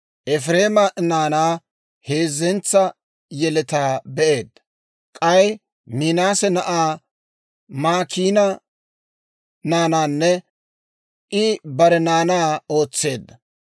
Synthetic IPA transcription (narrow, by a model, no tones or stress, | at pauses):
ʔɛfɾeːmɐnaːnaː | he̞ːzːɛnt͡sːɐ | jɛlɛt̪aːbɛʔe̞ːd̪ːɐ | kʼɐj | mɪnaːsɛnɐʔaː | maːkʰiːnɐ | naːnaːnːɛ | ʔɪbɐɾɛnaːnaːo̞ːt͡sːe̞ːd̪ːɐ